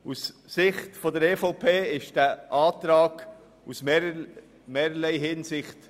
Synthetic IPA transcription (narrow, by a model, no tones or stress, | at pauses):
usːɪχtfɔdəɾeːfɔʊpʰeːɪʃd̥æʔɑːt̪ɾɑːɡ̥ | us | meːɾəlɛɪɦɪnsɪχt